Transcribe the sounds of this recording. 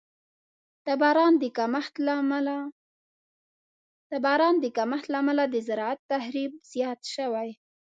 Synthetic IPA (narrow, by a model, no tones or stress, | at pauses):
abɑɾɑnd̪əkamaxt̪ | t̪abɑɾɑnd̪əkamaxt̪lamalad̪əzaɾɑat̪ːahɾib̚z̥jɑt̪ʃəwaj